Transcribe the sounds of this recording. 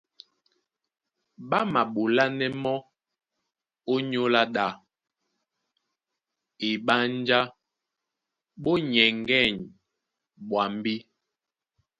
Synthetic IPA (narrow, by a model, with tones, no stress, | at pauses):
ɓa˦ma˨ɓo˨la˦nɛ˦mɔ˦ | o˦ɲo˦la˦ɗa˦˨ | i˨ɓa˦n˦d͡ʒa˦ | ɓo˦ɲɛ˨ŋɡɛ˦˨ɲ | ɓwa˨m˦bi˦